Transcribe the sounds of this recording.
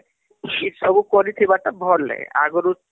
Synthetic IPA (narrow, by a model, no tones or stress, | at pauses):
isɔbukɔɾit̪ʰibaʈabʱɔlːɛ̰a̰ɡɔɾu